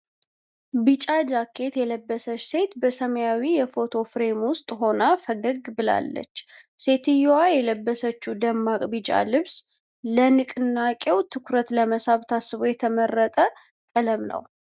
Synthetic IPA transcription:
bɨt͡ʃʼad͡ʒakʰːe̞t̪jɛləbːəsət͡ʃːse̞t̪bəsəməjawijɛfo̞t̪ʰo̞fɾe̞mwʊst̪ʼɦo̞nafəɡəɡbɨla̰lːə̰t͡ʃːse̞t̪ʰɨjowajɛləbːəsət͡ʃːud̪əmːakʼbɨt͡ʃʼa̰lɨβs | lənɨkʼɨnːakʼewt̪ʰɨkʰɾət̪ləməsaβt̪ʰasɨβojɛt̪ʰəmərːət̪ʼə | kʼələmnə̰w

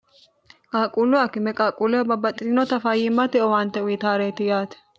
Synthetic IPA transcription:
kʼaːkʼuːlʊɐkɪmɛkʼaːkʼulʊɐbɐbɐt̪ʼːɪlɪnɔt̪ɐfajɪmːɐt̪ɛʔɔwant̪ːɛwit̪aːɾeːt̪ːɪjaːt̪ɛ̥

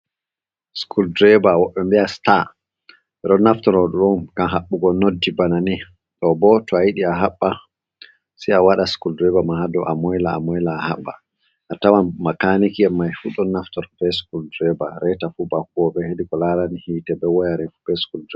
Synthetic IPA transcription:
skʰuldɾɛbawɔɓɛmbiasta | ɛɗɔnːaftɔɾɔɗɔɗɔmɡ̥amɦaɓːuɡɔnodːibanani | ɗɔbɔtɔajiɗiaɦaɓːa | siawaɗaskuldɾɛbamahadɔʔamɔjlaamɔjlaːhaɓːa̰ | ʔatawanmakanikiɛmːajfuɗɔnaftɔɾbɛskuldɾɛbaɾɛtafubakuɡɔɓɛhedikɔlaɾanihitɛbɛwɔjaɾɛfubɛskuldɾɛ

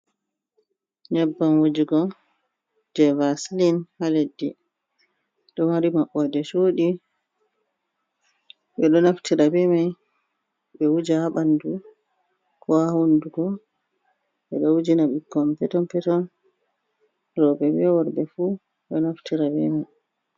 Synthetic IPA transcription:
ɲɛbːamwud͡ʒiɡɔ | d͡ʒɛvaslinhaledːi | ɗɔmaɾimaɓːɔdɛt͡ʃoɗi | ɓɛɗɔnaftʰiɾabɛmaj | ɓɛwud͡ʒahaɓandu | kʰɔhahunduɡɔ | ɓɛɗɔwud͡ʒinaɓikːɔmpɛtɔnpɛtɔn | ɾɔbɛbɛwɔɾbɛfu | ɗɔnaftiɾabɛmaj

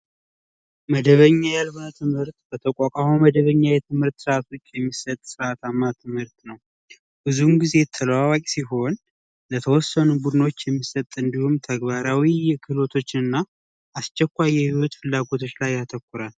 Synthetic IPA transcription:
məd̪əβəɲːajalβɨnət̪ʰɨmhɨɾt̪b̥ət̪ʰəkʼakʼamoməd̪əβəɲːajɛt̪ʰɨmhɨɾt̪sɨɾat̪ʰo̞t͡ʃːjɛmːisːət̪ʼsɨɾʔat̪ʰamːat̪ʰɨmhɨɾt̪nəw | bɨzumɡize̞t̪ʰələwawakʼsiɦo̞n | lət̪ʰəwɔsːənubud̪ɨno̞t͡ʃːjɛmːisːət̪ʼɨnd̪ihumt̪ʰəɡβaɾawijɛkʰɨlo̞t̪ʰo̞t͡ʃːɪnɨnːa | ʔast͡ʃːɛkʷːajːɛhiwɔt̪fɨlːaɡo̞t̪ʰo̞t͡ʃːlajːat̪ʰəkʷːuɾal

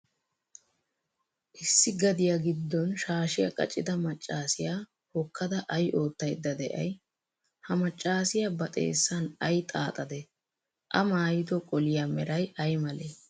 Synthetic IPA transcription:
ʔɪsːɪɡɐd̪ɪjaɡɪd̪ːɔnʃaːʃɪjɐkʼɐ̰t͡ʃʼːɪd̪ɐmɐt͡ʃʼːaːsɪjaː | hɔkːɐd̪ɐʔɐjʔo̞ːt̪ːɐjd̪ːɐd̪ɛʔɐ̰j | hɐmɐt͡ʃʼːaːsɪjabɐt̪ʼḛːsːɐnɐjt̪ʼaːt̪ʼɐd̪ɛ | ʔɐmaːjɪd̪ɔkʼɔlɪjamɛɾɐjɐjmɐleː

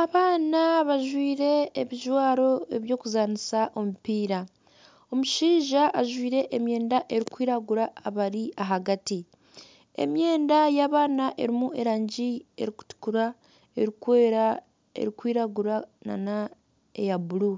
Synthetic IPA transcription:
aβaːnaβaʒwiːɾe̞ːβiʒwaːɾo̞e̞βjo̞ːkuzaːnisaʔo̞mupiːɾa | o̞muʃiːʒaʔaʒwiːɾe̞ʔːmje̞ːndaʔe̞ɾikwiːɾaɡuɾaːβaɾiʔaɦaɡati | e̞̰mje̞ːndajaːβaːnaʔe̞ɾimue̞ɾaːɲɟie̞̰ɾiku̥tu̥kuɾa | e̞̰ɾikweːɾa | ḛɾikwiːɾaɡuɾana̰na | ejabulu

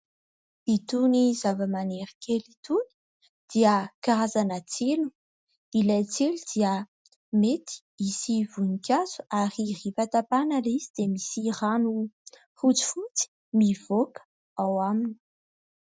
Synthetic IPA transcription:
it̪unizavəmaneɾikʰelit̪uni̥ | d̪̥iəkaɾazanat͡selu̥ | ilajt͡selud̪̥iə | met̪i̥ | isivunikʲaz̥u̥aɾiripat̪apanalizid̪̥emisiranu | χut͡su̥fut͡si̥ | miv̥okə̥ | awamini̥

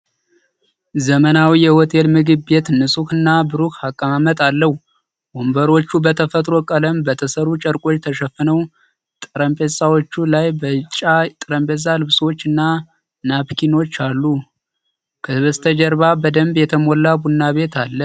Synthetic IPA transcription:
zəmənawijɛwɔt̪ʰelmɨɡɨbe̞t̪nɨsʼukɨnːabɨɾukakʼːəmamət̪ʼalːəhu | bombəɾo̞t͡ʃːubət̪ʰəfət̪ʼɾo̞kʼələmbət̪ʰəsəɾut͡ʃʼəɾkʼo̞t͡ʃːt̪ʰəʃəfːɨnəw | t̪ʼɨɾəmpʼesawot͡ʃːulajbət͡ʃʼat̪ʼɨɾəmpʼes̬ʼalɨβsot͡ʃːɨnːa | napkʰino̞t͡ʃːalːu | kʰəβəst̪ʰəd͡ʒəɾβabəd̪əmbjɛt̪ʰəmolːabunːaβe̞t̪ʰalːə

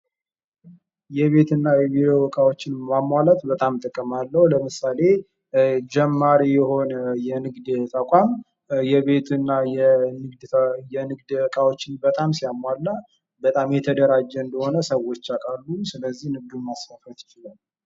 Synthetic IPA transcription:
jɛβe̞t̪ɨnːajɛβid̪eobəkʼawo̞t͡ʃːɪnmamːalət̪bət̪ʼamt̪ʼɨkʼːɨmalːəhuləmɨsale̞ | d͡ʒɛmːaɾijɛho̞nəjɛnɨɡd̪t̪ʰəkʼam | jɛβe̞t̪ʰɨnːajɛnɨɡd̪jɛnɨɡd̪bəkʼawo̞t͡ʃːɪnbət̪ʼamsijamːalːə | bət̪ʼamjɛt̪ʰəd̪əɾad͡ʒːɛɨnd̪əho̞nəsəwo̞t͡ʃːakʼalːusɨləzːihnɨɡ̚d̪umasfəfət̪jɪt͡ʃɪlal

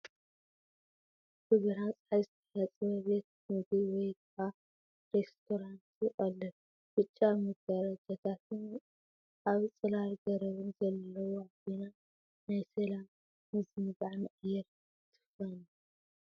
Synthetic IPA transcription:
kɨɡɐɾansʼħajzɨt̪ʰɐħɐt͡sʼβɐβe̞t̪̚mɨɡiwɔjɡfa | ɾest̪ʰoɾant̪jɪχʼɐlːɐ | b̥ɨt͡ʃʼːamɐɡɐɾad͡ʒɐt̪ʰat̪ʰɨn | ʔaβt͡sʼɨlaɾɡɐɾɐβɨnzɐlːɐwoabina | najsɐlamː | ɨzɨmbaʕnɨqʼɨjːɛɾ | t̪ʰɨ̥fɐnu

